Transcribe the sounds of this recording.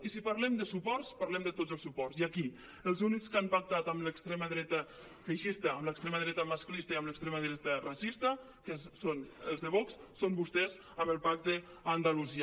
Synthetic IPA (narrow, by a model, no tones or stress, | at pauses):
isipaɾlɛmd̪əsupɔrspaɾlɛmd̪ət̪ozəlˠsupɔrsiaki | əlˠzunikskampak̚t̪at̪əmləkst̪ɾeməðɾɛt̪ə | feʃist̪əːmləkst̪ɾemaðɾɛt̪əmasklist̪əiəmləkst̪ɾeməðɾɛt̪ərasist̪ə | kəssonəlˠzðəβɔkssombust̪ɛz | əməlˠpak̚t̪ə | and̪aluzi